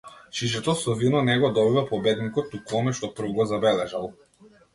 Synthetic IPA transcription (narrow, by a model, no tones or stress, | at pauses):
ʃiʃɛt̪ɔsɔvinɔnɛɡɔd̪ɔbivapɔbɛd̪nikɔt̪ːukɔmɛʃt̪ɔpr̩vɡɔzabɛlɛʒalˠ